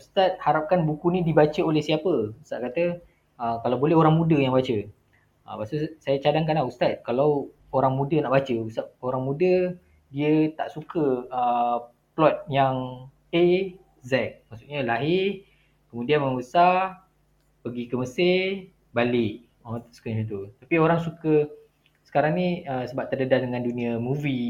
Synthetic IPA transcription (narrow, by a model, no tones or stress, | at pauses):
ust̪at̪̚haɾap̚kanbukunidibat͡ʃəolɛhsiapəust̪at̪̚kat̪ə | əkalawbolɛɦoɾaŋmudəjaŋbat͡ʃə | əpasusajat͡ʃadaŋkanlaust̪at̪̚kalaw | oɾaŋmudənaʔbat͡ʃəust̪at̪̚oɾaŋmudə | diət̪a̰ʔsukəə | plɔt̪̚jaŋ | e | zɛk̚maʔsuʔɲəlaɦɪ | kəmudianməŋbəsa | pəɡikəməse | balɪʔ | ot̪skiɲət̪̬ut̪apioɾaŋsukə | sə̥kaɾaŋniəsəbap̚t̪ərdədadəŋãndunĩəmuvi